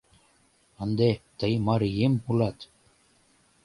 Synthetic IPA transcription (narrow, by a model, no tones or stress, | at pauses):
ɑnd̪et̪ɤjmɑɾjempulɑt̪